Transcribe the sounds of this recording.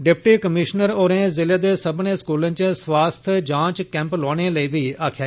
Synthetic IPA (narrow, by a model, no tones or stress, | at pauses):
ɖɪpʈiːkəmɪʃnəɾoːɾẽːzɪleːd̪eːsəbnẽːskuːlə̃ːt͡ʃsʋaːst̪ʰd͡ʒãːt͡ʃkɛ̃ːmploːɽ̃eːləiːʋiːaːkʰjaː